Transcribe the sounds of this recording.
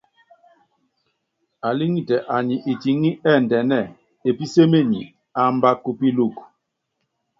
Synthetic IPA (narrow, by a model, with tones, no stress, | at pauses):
a˨li˦ŋi˦tɛ˨ʔa˨ɲi˨ʔi˨ti˨˦ŋi˦ʔɛ˦˨n˨dɛ˨nɛ˦˨ | e˨pi˦se˦me˦˨ɲḭ˨ | a˨˦m˦ba˦kːu˦pi˦lu˦˨k